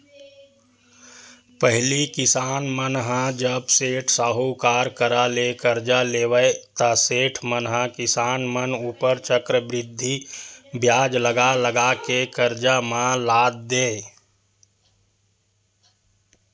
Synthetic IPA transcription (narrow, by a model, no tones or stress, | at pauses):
pəɦlikɪsaːnmənɦãd͡ʒəbseːʈʰsaːɦukaːɾkəɾalekəɾd͡ʒaleːwəet̪əseːʈʰmənɦãkɪsaːnmənuːpəɾt͡ʃəkɾəbɾɪd̪ʱːibjaːd͡ʒləɡaləɡakekəɾd͡ʒamãlaːd̪̚d̪eː